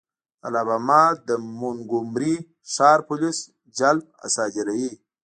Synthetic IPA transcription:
alaβamad̪əmunɡumɾi | ʂɑːɾpulis | d͡ʒalp̚a̰sad͡ʒiɾaji

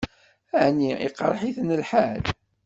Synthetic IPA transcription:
æʕniḭqɾˤħiθnəlħal

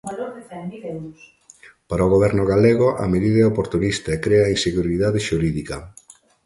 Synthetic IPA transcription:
paɾɐoɣoβ̞ɛɾnʊɣaleɣoʔa̰meðiðɛopoɾt̪unist̪ɐekɾeɐinseɣuɾiðaðeʃuɾiðikɐ̰

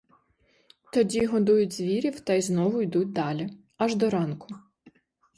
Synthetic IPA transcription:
t̪ɔdʲiɦɔd̪ujʊtʲzʋʲiɾʲiwt̪ɐjznɔʋʊjd̪ut̚ʲd̪ɑlʲi | ɐʒd̪ɔɾɑnkʊ̥

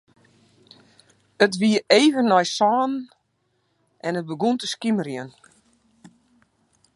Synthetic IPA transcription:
ətʋiəeːvənːɔjsɔːn | ʔɛnət̚bəɡuntəskiməɾjiən

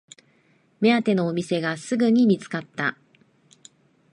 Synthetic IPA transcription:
me̞at̪e̞no̞ːmʲise̞ɡasɨɡɯ̟ɲ̟imʲit͡sɨ̥kat̪ːa̰

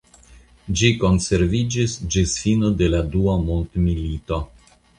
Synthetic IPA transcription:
d͡ʒiko̞nse̞ɾvid͡ʒisd͡ʒisfinode̞laduamont̪milito̞

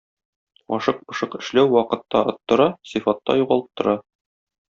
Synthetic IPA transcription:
ɒ̰ʃɤq̚bɤ̆ʃɤqɘ̆ʃlæwːɒqɤ̆t̪ːɑŏ̰t̪ːŏɾɑsifɑt̪ːɑ̰juʁɑlˠɤ̥p̚t̪ŏɾɑ

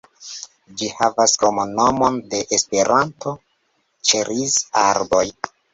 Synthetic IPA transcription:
d͡ʒihavaskomono̞mo̞nde̞ʔespe̞ɾʔantʰo̞ | t͡ʃeɾizaɾbo̞j

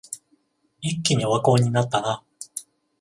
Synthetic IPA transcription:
ikʲːiɲ̟ioβako̞ːɲ̟inat̪ːana

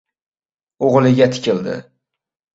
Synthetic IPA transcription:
oʁlˠɪɡʲat̪ʰɪ̥kʲʰɪld̪ɪ̰

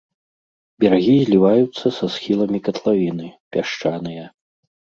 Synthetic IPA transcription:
bʲɛɾaɣʲizʲlʲivajut̪sːɐsasxʲilˠɐmʲikɐt̪lˠavʲin̪ɨpʲaʂt͡ʂanɨjɐ

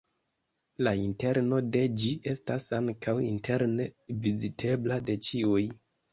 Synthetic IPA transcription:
lainte̞ɾno̞de̞d͡ʒiʔe̞stasaŋkʰawintʰe̞ɾne̞vizitʰe̞blade̞t͡ʃiuj

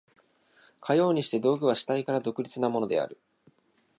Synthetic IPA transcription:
kʰajo̞ːɲ̟iɕi̥t̪e̞d̪o̞ːɡɯ̟βaɕi̥t̪aikaɾad̪o̞kɯ̟ɾʲit͡sɨnamo̞no̞d̪e̞̰a̰ɾɯ̟

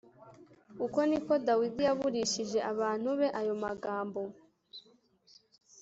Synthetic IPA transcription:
uko̞niko̞dawidijaβuɾiʃiʒe̞ʔaβaːn̥huβe̞ʔajo̞maɡaːmbo̞

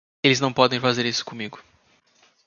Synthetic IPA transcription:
elɪznɐ̃w̃pɔd̪ẽj̃fazeɾisʊ̥kõmiɡʊ

